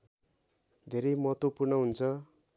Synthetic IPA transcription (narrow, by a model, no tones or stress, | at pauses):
d̪ʱeɾʌjmʌt̪opurnʌɦunt͡sʰʌ